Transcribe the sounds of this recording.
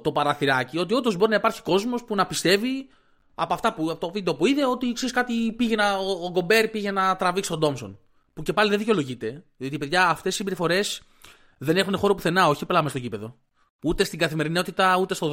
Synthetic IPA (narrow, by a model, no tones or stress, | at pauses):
t̪o̞pɐɾɐθiɾɐcio̞t̪̬io̞d̪o̞zbo̞ɾinɐipɐɾçi̥ko̞zmo̞spunɐpist̪e̞vi | ɐpoɐft̪ɐpuɐft̪ovid̪eopoiðeo̞t̪iksiskɐt̪ipiʝenɐoːɡo̞be̞ɾpiʝe̞nɐt̪ɾɐviksi̥t̪od̪o̞mso̞̰n | puce̞pɐliðeðiceo̞lo̞ʝit̪e̞ðio̞t̪ipe̞ðʝɐːft̪essimbiɾifo̞ɾe̞s | ðe̞ne̞xune̞xo̞ɾopuθe̞nɐo̞çiplɐmest̪ocipe̞ðo̞ | ut̪e̞st̪iŋɡɐθime̞ɾino̞t̪it̪ɐut̪e̞st̪o